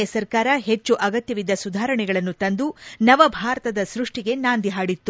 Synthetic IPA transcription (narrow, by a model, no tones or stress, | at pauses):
ɐsɐɾkaːɾɐɦe̞t͡ʃːuʔɐɡɐt̪jɐʋid̪ːɐsud̪ʱaːɾɐɳɛɡɐɭɐnːut̪ɐnd̪unɐʋɐbʱaːɾɐt̪ɐd̪ɐsɾuʂʈiɡe̞naːnd̪iɦaːɽit̪ːu